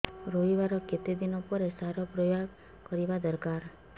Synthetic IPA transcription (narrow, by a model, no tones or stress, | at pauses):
ɾoɦiʋaɾɔket̪id̪inɔpɔɾesaɾɔpɾɔja | kɔɾiʋad̪əɾkaɾ